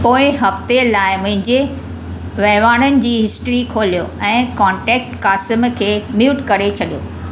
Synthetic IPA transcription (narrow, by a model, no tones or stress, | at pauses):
poːɪɦɐft̪elaːɪmʊ̃ɦɪ̃ɲd͡ʑe | ʋɐɦʋaːɽ̃ənɪ̆d͡ʑiːɦɪsʈɾikʰoːlijo̰ɛ̃ːkɔ̃ːɳʈɛːk̚ʈkaːsɪmkʰeːmjuːʈkɐɾet͡ɕʰɐɗijoː